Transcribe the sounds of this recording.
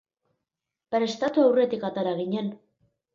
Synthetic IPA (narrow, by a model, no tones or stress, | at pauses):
pɾest̪at̪uawre̞t̪ikat̪aɾaɣ̞iɲe̞n